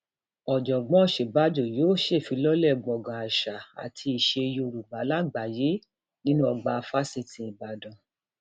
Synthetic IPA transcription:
ɔ˨d͡ʒɔ˨ɡ͡bɔ̃˨˦ɔ˦˨ʃe˨ba˨˦d͡ʒo˨joː˦ʃe˦˨fĩ˨˧˦lɔ˦lɛ˦˨ɡ͡bɔ˨ɡã˨a˨ʃa˨a̰˨tʰi˧i˨ʃe˧jo˧o˧˨ɾu˨ba˨˦la˦˨ɡ͡ba˨je˨˦ | nĩ˦nũ˦ɔ˧ɡ͡ba˧fa˦si˧tĩ˧i˨ba˨dɔ̃˨

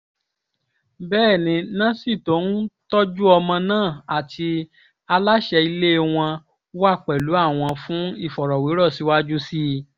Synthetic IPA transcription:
bɛː˦˨nĩ˨˧nã˦si˦˨to˨˦n̩˦tɔ˦d͡ʒu˦ɔ˧mã˧nãː˦˨a˨tʰi˧ | a˧la˦ʃɛ˧i˧le˦w̃ɔ̃˧ | wa˦˨k͡pɛ˨lu˨˦a˦˨w̃ɔ̃˧fũ˨˦i˦˨fɔ˨ɾɔ˨we˨˦ɾɔ˦˨si˨˦wa˦d͡ʒu˦si˦

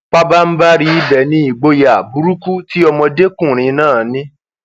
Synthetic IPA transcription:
k͡pa˦ba˦n̩˦ba˦ɾi˦i˦bɛ˨nĩ˦i˦˨ɡ͡bo˧ja˨bu˨˦ɾu˦ku˦ti˦ɔ˧mɔ̃˧de˦kũ˦˨ɾ̃ĩ˨˧˦nãː˦˨nĩ˦

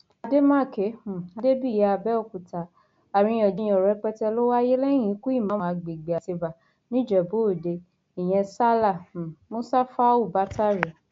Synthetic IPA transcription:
a˧de˦mã˦˨ke˨˦˨a˨˧de˦bi˦˨ɛ˨˦a˧bɛ˦ɔ˦˨ku˨ta˨ | a˨ɾĩ˧j̃ɔ̃˨d͡ʒĩ˨˧j̃ɔ̃˨ɾɛ˨˧˦k͡pɛ˦tɛ˧lo˦wa˦je˦lɛ̃˦ĩ˨˦ku˦i˦˨mã˨˦mã˨˧˨ɡ͡be˨ɡ͡be˨a˨se˧ba˨ | nĩ˦d͡ʒɛ˨bo˨˦˨de˧ | i˨j̃ɛ̃˧sa˦la˦˨mo˦sa˦fa˦u˦˨ba˦ta˦ɾi˨

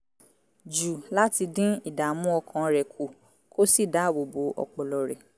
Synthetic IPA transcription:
d͡ʒu˨la˦ti˧dĩ˦i˦˨da˨mũ˦ɔ˧kʰã˧ɾɛ˨kʰu˨ | ko˦si˦˨da˨˦˨wo˨bo˨˦ʔɔ̰˧k͡pɔ˨lɔ˨ɾɛ˨

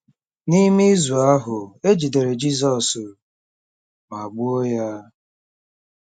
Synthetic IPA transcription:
ni˦mi˦zu˨a˦ɦʊ˨e˦d͡ʒi˨de˨ɾe˨d͡ʒi˦zɔ˨s | ma˨ɡ͡bʊ˦o˦ja˦

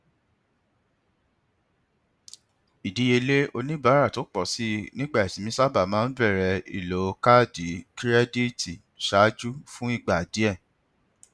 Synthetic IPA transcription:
i˨di˨˦je˧le˦o˧nĩ˦ba˨˦ɾa˦˨to˨˦k͡pɔ˨si˦nĩ˦ɡ͡ba˦˨ɛ˨sĩ˨mĩ˦sa˦˨ba˦˨mãː˨˦n̩˦bɛ˦˨ɾɛ˧ḭ˦˨lo˨˦ka˦˨di˨˦ki˦ɾɛ˦di˦ti˨ | ʃa˨˦d͡ʒu˦fũ˦i˦˨ɡ͡ba˨di˨˦ɛ˦˨

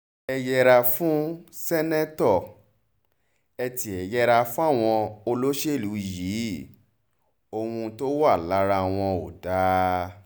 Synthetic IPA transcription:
ɛ˧jɛ˧ɾa˧fũ˦sɛ˦nɛ˦tɔ˦˨ | ɛ˧ti˧˨ɛ˨jɛ˧ɾa˧fũ˦a˦˨w̃ɔ̃˧o˧lo˦ʃe˦˨lu˨˦i˨ji˨˦ | o˧hũ˧to˦wa˦˨la˨˦ɾa˧˨w̃ɔ̃˧o˨da˨˦

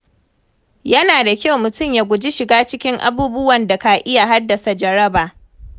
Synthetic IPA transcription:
jɐ˦naː˨da˨kʲa˦wmʊ˨tʊ˦˨mjaː˨ɡʷʊ˨d͡ʒi˦ʃɪ˨ɡaː˦t͡ʃɪ˦kʲɪ˦ŋʔa̰˦buː˦bʊ˦wɐ˨nda˨ka˨ʔɪ˦ja˨ɦa˦dːɐ˨sa˨d͡ʒɐ˨ɾɐ˦baː˨ʔ

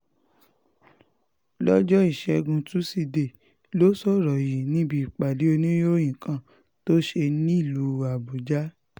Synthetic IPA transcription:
lɔ˦d͡ʒɔ˦i˦˨ʃɛ˧ɡũ˧tũ˦si˧de˦˨ | lo˦sɔ˦˨ɾɔ˨ji˨nĩ˦bi˧˦i˨k͡pa˨de˨˦o˧nĩ˦jo˦j̃ĩ˨kã˦˨ | to˦ʃe˧nĩ˦i˦˨lu˨˦a˨bo˨d͡ʒa˦

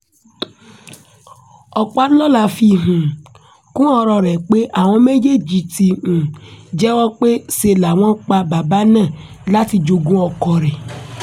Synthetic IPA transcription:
ɔ˨k͡pa˦lɔ˦la˧fi˧ɦũ˨ | kũ˦ɔ˧ɾɔ˧ɾɛ˨k͡pe˦ʔa˨w̃ɔ̃˧me˦d͡ʒe˦d͡ʒi˨ti˨ũ˨d͡ʒɛ˦wɔ˦k͡pe˦se˧la˨w̃ɔ̃˦k͡pa˧ba˨ba˦nãː˦˨ | la˦ti˧d͡ʒo˧ɡũ˦ɔ˧kɔ˨ɾɛ˨

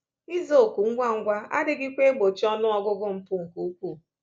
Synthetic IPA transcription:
i˦zo˨ku˨ŋ̩˦ɡʷa˦ŋ̩˨˦ɡʷa˦a̰˦dɪ˦ɡɪ˦kʷe˦ɡ͡bo˨t͡ʃi˦ɔ˦nʊ˦ɔ˦ɡʊ˦ɡʊ˦m̩˨pʊ˦ŋ̩˨ku˨u˦kʷu˦˨

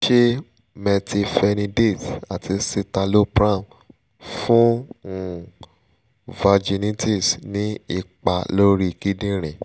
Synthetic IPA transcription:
ʃe˦ | mɛ˧tʰi˧fɛ˧nĩ˧de˦˨ta˨tʰi˧si˧ta˧lo˦pɾã˦˨m | fũ˦˨ | va˧d͡ʒi˧nĩ˦tʰi˦˨snĩ˦i˦˨k͡pa˨lo˦ɾi˦˨ki˦dĩ˦ɾ̃ɛ̃˨

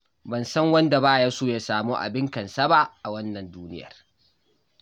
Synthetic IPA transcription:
bɐ˨nsɐ˦ŋwɐ˦nda˨baː˦˨jaː˦soː˦˨jaː˨saː˨muː˦ʔa̰˨bɪ˦ŋkɐ˨nsɐ˦ba˦ʔa˨wɐ˦nːɐ˨nduː˦nɪ̰˦jɐ̰˨r

